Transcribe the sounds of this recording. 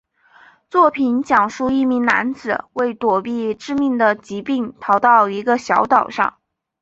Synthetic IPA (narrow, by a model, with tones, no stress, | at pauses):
t͡swɔ˥˩pʰi˧˥nt͡ɕjɑ˨˩ŋʂu˥˧i˥˩mi˧˥ŋna̰˧˥nt͡sɹ̩˨˩we˥˩ɪt̪wɔ˨˩pi˥˧ʈ͡ʂɻ̩˥˧mi˥˩ŋd̪ə˩t͡ɕi˧˥pi˥˩ŋt̪ʰɑ˧˥ʊt̪ɑ˥˩ʊi˧˥ɡə˧ɕjɑ˧˥ʊt̪ɑ˨˩ʊʂɑ̰˥˩ŋ